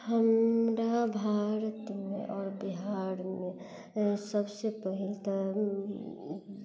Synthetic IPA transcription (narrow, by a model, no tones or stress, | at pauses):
həmɾabʱaːɾət̪mḛ̃ʔɔːɾbiɦaɾmẽ | səbsepəɦilt̪a